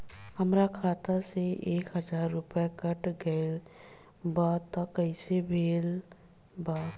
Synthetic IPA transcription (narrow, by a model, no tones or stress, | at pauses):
həmɾakʰaːt̪aseʔeːkɦəd͡ʒaːɾːʊpjakəʈɡəɪl | baːt̪ːɔkəɪsebʱeːl | baːt̪